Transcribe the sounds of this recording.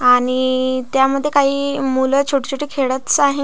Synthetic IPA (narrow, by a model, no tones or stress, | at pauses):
aɽ̃it̪jaməd̪ʱːjekaɦiːmulət͡ɕʰuʈit͡ɕʰuʈiːkʰeɭət̪t͡saɦe